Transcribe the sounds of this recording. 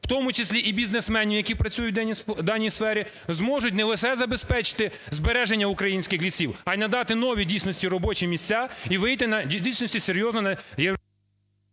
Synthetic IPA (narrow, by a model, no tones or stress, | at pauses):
w̥t̪ɔmʊt͡ʃɪsʲlʲiʔibʲiznesmɛnʲiwjɐkʲipɾɐt͡sʲujʊtd̪ɑnʲijsfɛɾʲi | zmɔʒʊtʲnɛlˠeʃɛzɐbespɛt͡ʃɪ̥t̪ɪ | zbeɾɛʒenʲːɐʊkɾɐjinʲsʲkɪxʋʲisʲiwɐjnɐd̪ɑt̪ɪnɔʋʲidʲijsʲnɔsʲtʲiɾɔbɔt͡ʃimʲisʲt͡sʲːaiʋɪjt̪ɪnɐidʲijsʲnɔsʲtʲiseɾʲjɔznɔnɐje